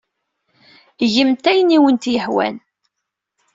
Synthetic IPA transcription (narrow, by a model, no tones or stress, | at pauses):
ʝəmt̪æjniwənt̪jəħwæ̰n